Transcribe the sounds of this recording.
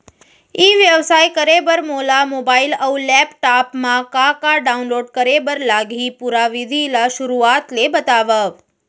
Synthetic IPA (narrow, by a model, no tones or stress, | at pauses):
iʋjəʋsajkəɾebəɾmolamobailəwlɛpʈapmãkakaɖaunloɖkəɾebəɾlaɡʱipuɾaʋid̪ʱilaʃʊɾuat̪lebət̪aʋəʋ